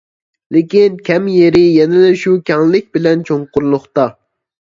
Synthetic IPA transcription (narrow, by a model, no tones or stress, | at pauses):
lɪkʲinkʲʰɛmjeɾɪjɛnɪd̪ɛʃukʲʰɛŋlɪk̚ʲbɪlɛnt͡ʃʰoŋqʊɾlˠʊχt̪ɑ